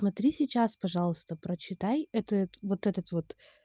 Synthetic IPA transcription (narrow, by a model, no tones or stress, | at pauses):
smɐt̪ɾʲisʲɪt͡ɕaspɐʐɑlˠəst̪əpɾət͡ɕɪt̪ajɛt̪ət̪vot̪ɛt̪ət̪vo̞t̪